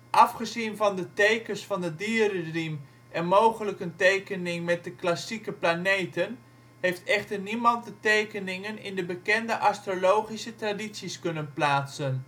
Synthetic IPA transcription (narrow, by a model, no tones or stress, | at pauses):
ʔɑfχəzinvɑndətejkənsfɑndədiːərərim | ɛnmowχələkəntejkənɪŋmɛt̚dəklasikəplanejtən | hejftɛχtərnimɑnt̚dətejkənɪŋənɪ̰ndəbəkɛndəʔastrolowχisətraditsiskɵnənplaːtsən